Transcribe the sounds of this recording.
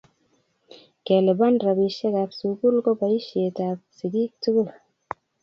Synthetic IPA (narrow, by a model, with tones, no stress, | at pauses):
ke˨le˨ba˦nɾa˨bi˨ʃe˦ɡa˨psu˨ɡu˦lko˦ba˨i˦ʃe˨ta˨p̚si˨ɡi˦k̚tu˦ɡu˦l